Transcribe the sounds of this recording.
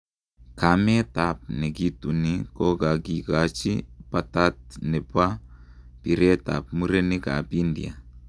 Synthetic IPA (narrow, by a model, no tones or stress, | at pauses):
kamet̪ap̚neɡitunikoɡaɡiɡat͡ʃipat̪at̪̚nepapiɾet̪a̰p̚muɾeniɡa̰pindḭa̰